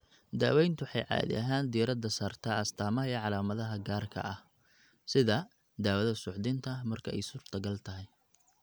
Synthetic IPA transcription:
d̪a̰ːwɛjnt̪ʰʊħɑjʕɑ̰ːðḭʔɐɦaːnd̪ijɾɐd̪ɐsaːrt̪ʰaːɐst̪ʰaːmɐɦɐɛʕɑlaːmɐðɐɦɐɡaːrkʰɐ̰ʔɐh | sɪðɐ | d̪aːwɐðɐsʊʕðɪnt̪ʰɐmɐrkʰɐɛ̰jsʊrt̪ʰɐɡɐlt̪ʰɐɦɛj

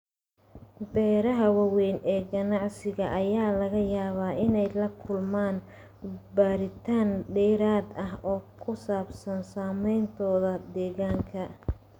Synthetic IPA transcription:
bɛːɾɐɦɐwɐwɛjnɛːɡɐnɑʕsɪɣɐʔːjaːlɐɣɐjaːβaːʔɪnɛjlɐkʰʊlmaːn | baːɾɪt̪ʰaːnɖɛːɾaːd̪ɐɦɔːkʰʊsaːbsɐnsaːmɛjnt̪ʰɔːðɐd̪ɛːɣaːŋkʰɐ

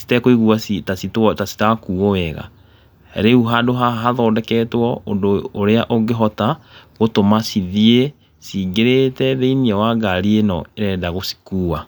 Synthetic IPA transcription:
si̥tɛkoiɣuasitasitwɔtasi̥takuːɔwɛɣa̰ | ɾeuɦadoɦaɦaðɔːdɛkɛtwɔondoːɾeaʔoɡeɦɔtaɣotomasiðie | siɡeɾetɛðeiniɛwaɡaɾienɔeɾɛːdaɣosi̥kuːwa

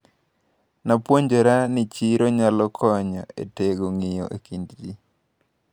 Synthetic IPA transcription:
napwoɲd͡ʒoɾanɪt͡ʃiɾoɲalɔkʰɔɲɔʔḛteɡoŋɪjo̰ʔḛkindd͡ʒi

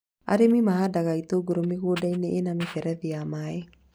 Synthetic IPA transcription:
a̰ɾimimaɦadaɡait̪oɡuɾomiɡodajneʔenamifɛɾɛd̪iamae

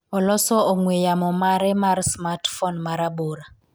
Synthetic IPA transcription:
ɔlɔsɔɔŋwejamɔmaɾɛmaɾsmatfɔnmaɾaboɾa

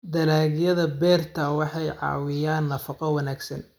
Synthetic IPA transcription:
d̪ɐlaːɣjɐðɐbɛːrt̪ʰɐwɑħɑjʕɑ̰ːwɪjaːnːɐfɑqɔwɐnaːɡsɐn

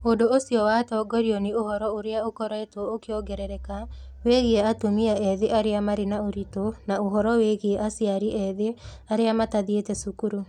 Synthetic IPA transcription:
odoosjɔwatɔːɡɔɾiɔneohɔɾɔoɾeaokɔɾɔɛtwɔokeɔɡɛɾɛɾɛkaweɣeeatomiaɛðeʔaɾeamaɾenaoɾitonaoɦɔɾɔweɣeeʔasjaɾiʔɛðeaɾeamataðietɛsukuɾu

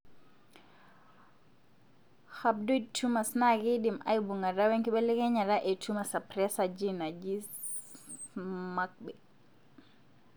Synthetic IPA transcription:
hab̚dujtʰumasnaɡiɗima̰jbuŋɡadawɛŋkiɓɛlɛɡɛɲaɾaʔɛtʰumasapɾɛsad͡ʒinad͡ʒi | mak̚ɓɛ

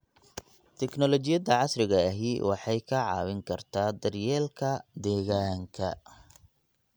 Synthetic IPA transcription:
t̪ʰɛknɔlɔt͡ʃɪjɐd̪ɐʕɑsrɪɣɐɐɦiːwɑħɑjkʰɐʕɑ̰ːwɪŋkʰɐrt̪ʰaːd̪ɐrjɛːlkʰɐd̪ɛːɣaːŋkʰɐ

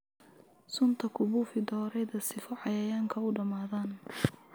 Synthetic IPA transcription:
sʊnt̪ʰɐkʰʊβuːfɪd̪ɔːɾɛjðɐsɪfɔʕɑjɐjaːŋkʰɐʊɖɐmaːðaːn

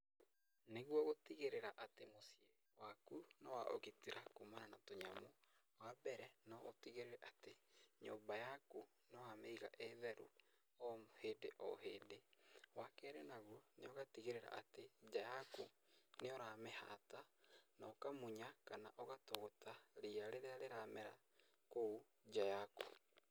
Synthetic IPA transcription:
neɣwɔɣotiɣeɾeɾaʔatemosje | wakunɔwaʔo̰ɣetiɾakomaɾanatoɲamo | wabɛɾɛnɔːtiɣeɾeɾɛʔateɲoːmbajako | nɔhameiɣa̰ʔeðɛɾu | ɔmheːdeʔɔ̰ɦeːdewakɛːɾenaɣuneɔɣatiɣeɾeɾa̰ʔated͡ʒajako | neɔɾamɛha̰tanaokamuɲakanaʔɔɣatoɣotaɾiaɾeɾeaɾeɾamɛɾa | kou | d͡ʒajako̥

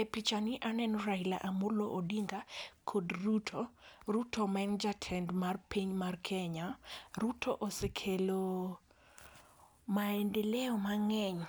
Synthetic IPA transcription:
epit͡ʃaniʔanɛnɔɾajla̰ʔamʊɾloʔodiŋɡakʰodrutʰorutʰɔmɛnd͡ʒatʰɛndmarpiɲmarkʰɛɲaɾutʰo̰ʔosekʰelo | maendelɛɔmaŋɛɲ

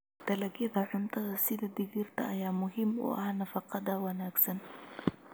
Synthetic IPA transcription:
t̪ɐlɐɡɪðɐħʊnt̪ʰɐðɐsɪðɐd̪ɪɡiɾt̪ɐʔɐjaːmʊɦɪmɔ̰ːʔɐhnɐfɑqɑd̪ɐwɐnaːɡsɐn

